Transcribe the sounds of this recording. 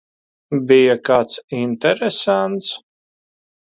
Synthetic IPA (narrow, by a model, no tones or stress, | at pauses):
bijakaːt̪sint̪ɛɾesant̪s